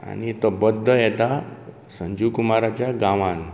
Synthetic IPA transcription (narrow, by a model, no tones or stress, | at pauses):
a̰nit̪ɔbəd̪ʱːəjɛt̪a | sə̃ɲd͡ʑukumaɾat͡ɕjaɡãʋãn